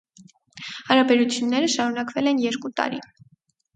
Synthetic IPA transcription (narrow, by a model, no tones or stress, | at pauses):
hɑɾɑbɛɾut͡sʰjunːɛɾəʃɑɾunɑkvɛlɛnjɛɾkut̪ɑ̰ɾi